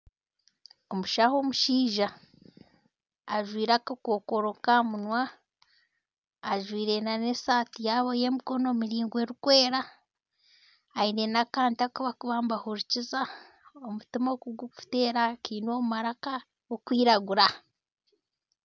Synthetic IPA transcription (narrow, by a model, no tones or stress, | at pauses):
o̞muʃaho̞muʃiːʒa | ʒwiːɾakakoːkoɾokamunwa | ʒwiːɾe̞nanesaːtijaβoje̞miko̞nomiɾiːŋɡwe̞ɾukwe̞ːɾa | inenakaːntakuβakuβaːmbahuɾuciza | omutimokuɡuku̥fte̞ːɾakiːnomumaɾaka | ɡokwiːɾaɡuɾa